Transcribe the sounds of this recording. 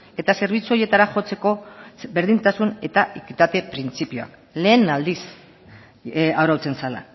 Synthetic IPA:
e̞t̪ase̞ɾβ̞it͡suo̞ɾje̞t̪aɾaʝo̞t͡se̞ko̞be̞ɾðint̪asune̞t̪aʔikit̪at̪e̞pɾint͡sipioa̰k | le̞ːnald̪is | awɾawt͡se̞nsala̰

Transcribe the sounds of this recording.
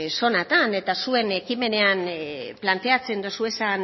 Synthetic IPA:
so̞nat̪ane̞t̪asue̞ne̞kime̞ne̞anplant̪e̞at͡se̞nd̪osue̞san

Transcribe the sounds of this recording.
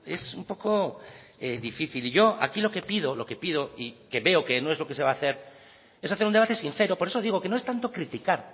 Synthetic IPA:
e̞sumpo̞ko | eðifiθiliʝo̞a̰kilo̞ke̞pið̞o̞lo̞ke̞pið̞o̞ike̞βe̞oke̞no̞e̞zlo̞ke̞seβaːθe̞ɾ | e̞saθeɾund̪e̞βat̪e̞sinθe̞ɾo̞po̞ɾe̞soðiɣo̞ke̞no̞e̞st̪ant̪o̞kɾit̪ikaɾ

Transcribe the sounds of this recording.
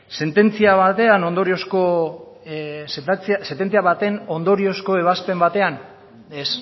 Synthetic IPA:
se̞nt̪e̞nt͡siaβat̪e̞ano̞nd̪o̞ɾio̞sko | set͡ssent̪e̞nt͡siaβat̪e̞no̞nd̪o̞ɾio̞sko̞e̞β̞aspe̞mbat̪e̞an | e̞s

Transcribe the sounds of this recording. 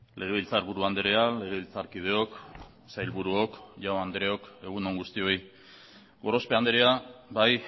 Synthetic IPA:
lʔe̞ɣ̞e̞βilt͡saɾβuɾuand̪eɾeale̞ɣ̞e̞βilt͡saɾkið̞e̞o̞k | sajlβuɾuo̞kʝawand̪eɾeo̞ke̞ɣ̞uno̞ŋɡust̪io̞j | ɡo̞ɾo̞spe̞and̪eɾeabaj

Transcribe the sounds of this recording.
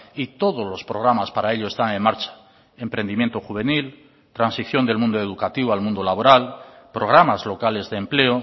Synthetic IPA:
it̪o̞ð̞o̞zlo̞spɾoɣɾamaspaɾae̞ʎoest̪aŋeŋmaɾt͡ʃḁ | e̞mpɾe̞nd̪imje̞nt̪oxuβ̞e̞nil | t̪ɾansiθjo̞nd̪elmũnd̪oe̞ð̞ukat̪iβoalmũnd̪olaβo̞ɾalpɾoɣɾamazlo̞kale̞zðeːmple̞o

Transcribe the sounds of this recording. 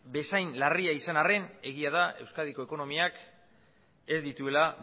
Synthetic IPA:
be̞sajnlariaisanare̞ne̞ɣ̞iaðae̞wskað̞iko̞e̞ko̞no̞miak | e̞zd̪it̪ue̞la

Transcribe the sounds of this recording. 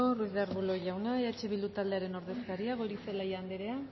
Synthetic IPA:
oruizðeɾβulo̞ʝawnaiat͡ʃe̞βild̪ut̪ald̪e̞aɾe̞no̞ɾðe̞skaɾiaɣoɾiselajand̪eɾe̞a

